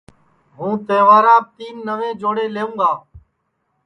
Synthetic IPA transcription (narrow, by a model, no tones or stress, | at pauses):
ɦũːt̪ẽːʋaːɾaːb̚t̪iːnːəʋẽːd͡ʒoːɽeːleːũːɡaː